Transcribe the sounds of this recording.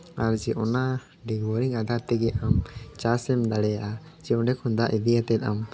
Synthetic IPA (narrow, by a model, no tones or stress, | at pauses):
aɾd͡ʒɛʔɔna | ɖiɡwɔɾiŋad̪ʱaɾt̪ɛɡɛamt͡ʃasɛmɖaɽɛjaʔa | d͡ʒɛʔɔɖɛkʰɔnd̪aʔid̪ijat̪ɛt̪̚am